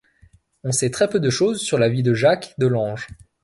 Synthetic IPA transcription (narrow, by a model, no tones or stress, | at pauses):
ɔ̃sɛt̪χɛpød̪əʃozsyʁlavid̪əʒakd̪əlɑ̃ʒ